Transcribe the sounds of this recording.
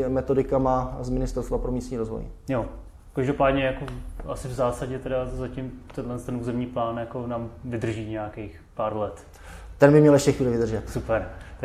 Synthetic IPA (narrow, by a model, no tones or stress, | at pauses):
mɛt̪o̞dɪkamazmɪnɪst̪ɛɾst̪vapɾomiːst̪ɲiːɾozvo̰jjo | kaʒdopaːdɲɛjakoʔa̰sɪvzaːsaɟɛt̪ɛdazacɪmt̪ɛndlɛnst̪ɛnʔuːzɛmɲiːplaːnjakonaːmvɪd̪r̩ʒiːɲɛjakejx | paːɾlɛt̪ | t̪ɛnbɪmɲɛljɛʃcɛxviːlɪvɪd̪r̩ʒɛt̪supɛɾ